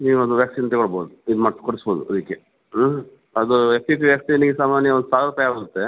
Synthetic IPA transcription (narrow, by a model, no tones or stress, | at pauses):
niːʋuɐd̪uʋjaːksiːnt̪ekoɭbo̰ːd̪uid̪umɐɽskoɽisboːd̪uɐd̪ikːe̞ | ɐd̪uepʰipiʋjaːksiniɡesaːmaːnjɐond̪usaːʋɾupajaːɡɾut̪ːe̞